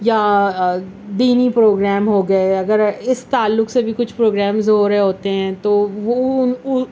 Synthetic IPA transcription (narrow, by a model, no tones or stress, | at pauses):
ja | d̪iːnipɾoːɡɾɛːmɦoːɡɐeɐɡəɾɪst̪aːlːʊksebʱikʊt͡ʃʰpɾoːɡɾɛːmzɦoːɾɦeɦoːt̪eɦɛ̃ːt̪oːʋoʊ